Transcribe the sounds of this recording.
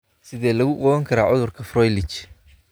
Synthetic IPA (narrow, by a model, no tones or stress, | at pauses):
sɪðɛːlɐɣʊqɔwɐŋkʰɐɾaːʕʊðʊrkʰɐfrɔjlɪt͡ʃ